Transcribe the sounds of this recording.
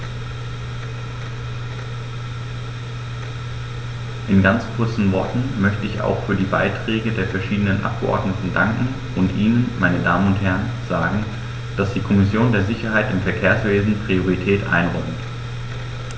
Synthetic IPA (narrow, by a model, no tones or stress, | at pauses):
ʔɪnɡant͡skʰʊɐt͡sn̩vɔɐtn̩mœçtəɪça̰ʊxfyːɐdiːba̰ɪtʁ̥ɛːɡədeːɐfɛɐʃiːdənənʔa̰p̚ɡ̥ə̰ʔɔ̰ɐdnətn̩daŋkŋ̩ | ʔʊntʔiːnənmaɪnədaːmənʊnthɛɐən | z̥aːɡŋ̩ | d̥asd̥iːkʰɔmɪsjoːndeːɐzɪçɐɦaɪtɪmfɛɐkʰeːɐsv̥eːzn̩pʁ̥ioʁ̞itʰɛːtʔa̰ɪnʁɔmt